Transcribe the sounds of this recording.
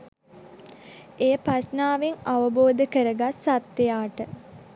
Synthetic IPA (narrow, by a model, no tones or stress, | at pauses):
eːəpɾasnaːʋeŋaʋəboːd̪əkəɾəɡasat̪jəjaːʈə